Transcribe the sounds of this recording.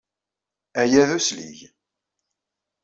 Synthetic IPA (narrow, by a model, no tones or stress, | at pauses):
æjæðuslḭʝ